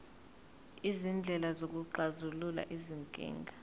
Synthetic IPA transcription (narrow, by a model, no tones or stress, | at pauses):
izind͡ɮʱɛlazok̬ʼuǃazulula̰ʔiziŋkʼɛ̰ːŋɡʱa